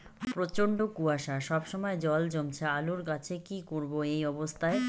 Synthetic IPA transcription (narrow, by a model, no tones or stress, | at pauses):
pɾot͡ɕoɳɖokuaʃaʃɔbʃɔmɔed͡ʑɔld͡ʑomt͡ɕʰealuɾkat͡ɕʰekikoɾboejɔbost̪ʰae